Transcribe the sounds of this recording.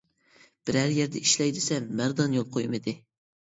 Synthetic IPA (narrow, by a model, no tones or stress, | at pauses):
b̥ɪɾæɾjɛɾd̪ɛiʃlɛjd̪ɪsɛmːæɾd̪ɑnjolˠqʰojmɨd̪ɪ